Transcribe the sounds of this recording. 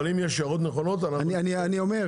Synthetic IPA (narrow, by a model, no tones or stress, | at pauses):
limjeʃaʁot̪neχonot̪ananianianio̞me